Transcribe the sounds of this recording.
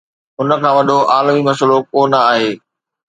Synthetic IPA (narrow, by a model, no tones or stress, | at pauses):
ʊnə̆kʰãːʋɐɗoʔaːlmimɐs̬əlokoːnəaːɦeː